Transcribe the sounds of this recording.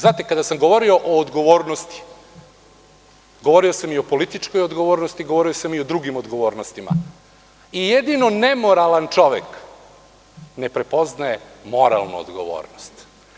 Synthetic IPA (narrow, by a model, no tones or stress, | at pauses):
znaːt̪ekad̪asamɡo̞ʋo̞ɾio̞ʔoːd̪ɡo̞ʋo̞ːɾnost̪i̥ | ɡo̞ʋo̞ɾio̞samio̞po̞lit̪it͡ʂko̞jod̪ɡo̞ʋoːɾnost̪iɡoʋo̞ɾiosamio̞d̪ɾuɡimod̪ɡo̞ʋo̞ːɾnost̪ima̰ | ijed̪ino̞nemo̞ɾalant͡ʂo̞ʋḛk | nepɾe̞po̞znajemo̞ɾa̰lˠnṵo̰d̪ɡo̰ʋo̰ːɾnost̪